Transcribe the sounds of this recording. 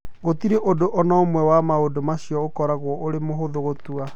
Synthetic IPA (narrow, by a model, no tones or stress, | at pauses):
ɣotiɾeʔodoʔɔnɔomwɛwamaodomaɕiɔokɔɾaɣwɔʔoɾemoɦoðoɣotua